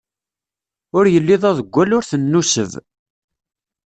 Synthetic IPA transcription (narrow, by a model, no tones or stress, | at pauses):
ʊɾjəlːiðˤæðəɡʷːælʊɾθənːusə̰ð